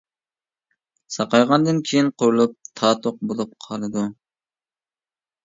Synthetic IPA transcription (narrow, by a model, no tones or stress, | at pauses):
sɑqɑjʁɑnd̪ɨnkʲʰejinqʰoɾulˠup̚t̪ʰɑːt̪ʰoq̚bolˠup̚qʰɑlˠɨd̪u